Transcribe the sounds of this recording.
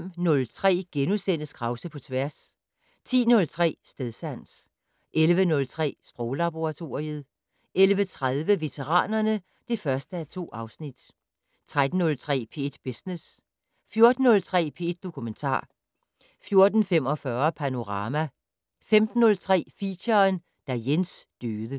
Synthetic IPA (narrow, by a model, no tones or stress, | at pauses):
m̰nɔ̽lt͡sʰʁɛ̰ːɡ̥enusen̰əsɡ̥ʁɑ̈ʊsəpʰɒ̽t͡sʰʋæɐs | t͡sʰḭːnɔ̽lt͡sʰʁɛ̰ːsd̥eðˠsæn̰s | ʔelʋənɔ̽lt͡sʰʁɛ̰ːsb̥ʁɔʊlɑb̥o̝ʁɑ̈t͡sʰo̝̰ːʁiəð̞ˠ | ʔelʋət͡sʰʁaðˠʋəʋe̝t͡sʰeʁɑ̰̈ːnɐnə | d̥e̝fɶɐsd̥əæt͡sʰo̝̰ːʔɑ̈ʊsnid̥ | t͡sʰʁad̥n̩ːɔ̽lt͡sʰʁɛ̰ːpʰe̝̰d̥b̥esnes | fjo̝ɐd̥n̩ːɔ̽lt͡sʰʁɛ̰ːpʰe̝ed̥̚ːo̝kʰument͡sʰɑ̰̈ː | fjo̝ɐd̥n̩fem̰ɒ̽fɶɐpʰæno̝ʁɑ̈ːmæ | femd̥n̩ːɔ̽lt͡sʰʁɛ̰ːfiɕɐn | d̥æjensd̥øːðˠə